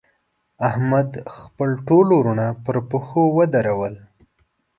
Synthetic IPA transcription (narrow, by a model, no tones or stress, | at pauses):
ahmad̪xpəlʈoloɾunapəɾpəxowəd̪aɾawəl